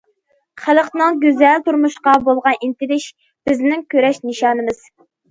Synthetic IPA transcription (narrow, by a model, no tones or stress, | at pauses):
χælˠəqnɨŋɡʲøzælt̪uɾmuʃqɑbolˠʁɑnʔint̪ɪlɪʃ | b̥ɪznɪŋkʲʰøɾɛʃnɨʃɑːnɨmɨz̥